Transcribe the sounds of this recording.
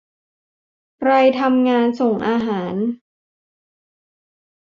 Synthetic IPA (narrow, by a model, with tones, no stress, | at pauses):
kɾa˧jt̪ʰa˧mŋaː˧nso˨˩ŋʔaː˧ɦaː˩˦n